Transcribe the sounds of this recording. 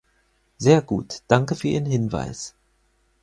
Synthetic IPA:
zeːɐɡṵːtd̥aŋkəfyːɐʔiːʁənɦɪnva̰ɪs

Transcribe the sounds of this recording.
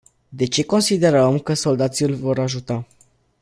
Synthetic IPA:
d̪e̞t͡ʃe̞ko̞nsid̪e̞ɾəmkəso̞ld̪at̪silʲvo̞ɾaʒut̪a

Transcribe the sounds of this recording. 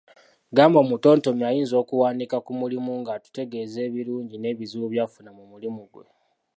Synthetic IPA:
ɡaːmbo̞muto̞ːnto̞miajiːnzo̞ːkuwaːnikakumulimuŋɡatu̥te̞ɡe̞ze̞ːβiɾuːɲɟine̞ːβizuβjafunamumulimuɡwe̞̰

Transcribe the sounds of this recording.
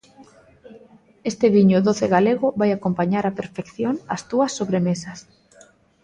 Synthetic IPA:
est̪ɪβiɲʊðoθeɣaleɣʊβajakompaɲaɾapeɾfekθjoŋɐst̪uɐsːoβɾemesɐs

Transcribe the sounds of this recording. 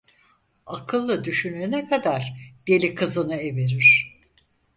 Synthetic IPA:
akʰɯlˠːɯd̪yʃynyːnɛkʰad̪aɾbelʲikʰɯzɯnɯeveɾiɾ̥

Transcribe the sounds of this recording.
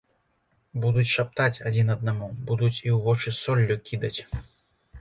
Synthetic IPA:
bud̪ut͡sʲʂap̚t̪at͡sʲad͡zʲinɐd̪namubud̪ut͡sʲiwvɔt͡ʂɨsɔlʲːukʲid̪ɐt͡sʲ

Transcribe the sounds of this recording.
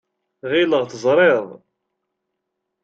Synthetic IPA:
ʁɪləʁθəzˤɾˤɪðˤ

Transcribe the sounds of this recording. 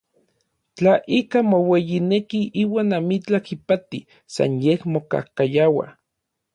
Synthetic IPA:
t͡ɬaʔikamowejinekiʔiːwaːnamit͡ɬakipat̪i | sa̰njehmoka̰hkajawa̰

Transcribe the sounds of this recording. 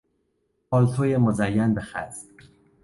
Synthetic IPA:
ɒːlt̪ʰojemozæjːænbexæ̰z̥

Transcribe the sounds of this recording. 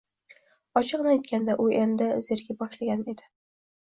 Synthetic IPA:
ɒt͡ʃʰɨqnɪajt̪̚kʲʰand̪aʔʊʔend̪ɪzeɾɡʲɪbɒʃlaɡʲaned̪ɪ

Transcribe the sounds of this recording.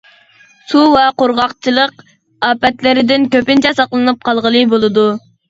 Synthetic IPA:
suvɛqoɾʁɑqt͡ʃʰilˠəq | ɑːpɛt̪lɪɾɪd̪ɪnkʲøpɪnt͡ʃʰɛsɑqlˠɨnɨp̚qʰɑlˠʁəlˠɨbolˠɨd̪u

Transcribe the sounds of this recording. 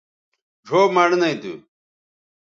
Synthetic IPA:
d͡ʑʱoːmɐɽnɐit̪ṵ

